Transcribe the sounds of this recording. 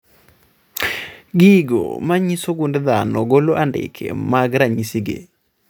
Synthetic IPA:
ɡiɡo̰maɲisoɡundɛd̪anɔɡoloʔandɪ̰kʰḛmaɡɾaɲisiɡḛ

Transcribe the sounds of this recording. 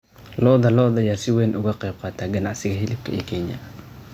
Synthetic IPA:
lɔːðɐlɔːðɐjaːsɪwɛːnʔʊɣɐqɛjb̚qɑːt̪ʰaːɡɐnɑʕsɪɣɐɦɪlɪb̚kʰɐɛ̰ːkʰɛnjɐ̰

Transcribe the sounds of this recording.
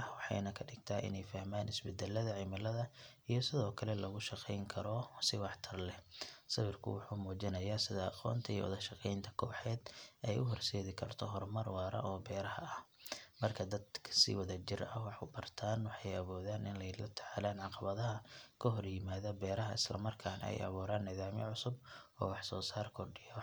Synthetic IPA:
wɑħɑ̰jnɐkʰɐɖɪɡ̚t̪ʰaːʔɪ̰nɛjfɐhmaːnɪsbɛd̪ɛlːɐðɐʕɪmɐlɐðɐ | ijɞsɪðɔːkʰɐlɛlɐɣʊʃɑqɛjŋkʰɐɾɔsɪwɑħt̪ʰɐrlɛsɐβɪrkʰʊ̰wʊħuːmuːt͡ʃɪnɐjaːsɪðɐɑqɔ̰ːnt̪ʰɐijɔ̰wʊ̰ðɐʃɑqɛjnt̪ʰɐ̥kʰɔːħɛːd̪ɛjʊɦɔrsɛːðɪkʰɐrt̪ʰɔɦɔrmɐrwɑːɾɐ̰ʔɔːbɛːɾɐhɐ̰ɐh | mɐrkʰɐd̪ɐd̪kʰɐ̥sɪ̰wɐðɐt͡ʃɪɾɐwɑħʊbɐrt̪ʰaːnwɑħɑjɐβuːðaːnɪnlɛjlɐt̪ʰɐ̥ʕalaːnʕɑqɑβɐðɐɦɐkʰɔɦɔrjɪmaːðɐbɛːɾɐɦɐɪ̰slɐ̰mɐrkʰaːnɐ̰ɛ̰jʔɐ̰βuːɾaːnːɪðaːmjɛ̰ʕʊsʊbɔ̰ːwɑħsɔːsaːrkʰɔrɖɪjɔ

